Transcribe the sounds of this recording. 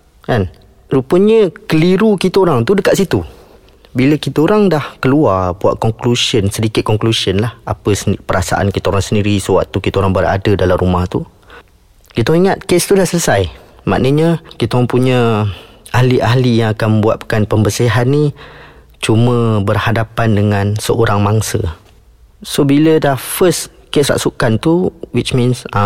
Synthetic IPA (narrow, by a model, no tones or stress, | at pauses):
kan | rupəɲəkəliɾukit̪aoɾaŋt̪udəkaʔ̪sit̪u | biləkit̪əoɾaŋdahkəluarbua̰ʔkɔŋklusiənsədikɪt̪̚kɔŋklusənlaha̰pəspəɾasa̰ʔa̰nkit̪aoɾaŋsəndiɾisəwa̰ʔ̚t̪ukit̪aoɾaŋbəra̰dədalamɾumaht̪u | kit̪aɔ̃ŋiŋat̪̚kest̪udahsələsaj | ma̰ʔnəɲəkit̪aɔŋpuɲə | ʔahliʔaɦlijaŋakanmə̃buat̪̚pə̥kanpəmbəsiɦanːi | t͡ʃumə̃bərhadapandəŋãnsəoɾaŋmaŋsə | sobilədafəs | kesra̰ʔsukant̪uwit͡ʃmĩns